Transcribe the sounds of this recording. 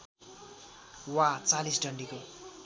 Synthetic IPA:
wat͡salisɖʌɳɖiko

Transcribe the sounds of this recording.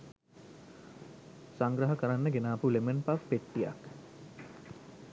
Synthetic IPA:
saŋɡɾəɦəkəɾanːəɡenaːpulemənpafpeʈːija̰k

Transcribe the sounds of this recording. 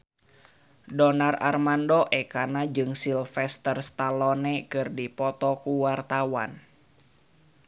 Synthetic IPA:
dɔnara̰rmandɔʔɛkanad͡ʒɨŋsilfɛst̪ərst̪alɔnɛkɨrdipɔt̪ɔkuwart̪awan

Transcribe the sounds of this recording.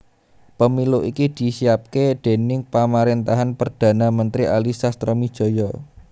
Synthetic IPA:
pəmiluʔikid̪̥i̤siap̚ked̥e̤nɪŋpamaɾent̪aɦanpərd̪̥ä̤namənt̪ɾiʔalisast̪ɾəmid̥ʒ̥ɔ̤jɔ

